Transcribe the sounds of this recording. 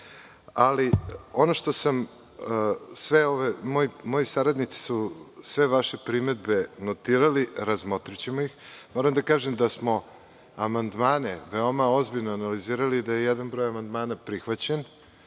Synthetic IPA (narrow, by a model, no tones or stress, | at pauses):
alio̞noʃt̪o̞sam | sʋeo̞ʋemojimo̞jisaɾad̪nit̪si̥susʋe̞ʋaʃepɾime̞d̪̚be̞not̪iːɾaliɾazmo̞t̪ɾit͡ɕemojixmo̞ɾamd̪akaːʒemd̪asmo̞ | amand̪maːneʋeo̞mao̞zbiʎnoanaliziːɾaliːd̪ajejɛd̪anbɾo̞jamand̪maːnapɾixʋat͡ɕen